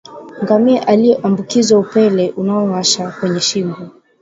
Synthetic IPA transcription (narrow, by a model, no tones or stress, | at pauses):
ŋɡamiɛʔalijɛʔambukizwaupɛlɛʔunaɔwaʃakwɛɲɛʃimbɔ